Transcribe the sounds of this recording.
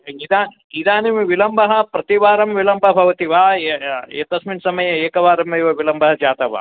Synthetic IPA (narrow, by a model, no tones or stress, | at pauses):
id̪aːn | id̪aːnimʋilɐmbʱɐɦɐ̆pɾɐt̪iʋaːɾɐmʋilɐmbʱɐbʱɐʋɐt̪iʋaːjet̪ɐsminsɐmɐjɐeːkɐʋaːɾɐmɐjʋɐʋilɐmbʱɐɦɐd͡ʒaːt̪ɐʋa̰ː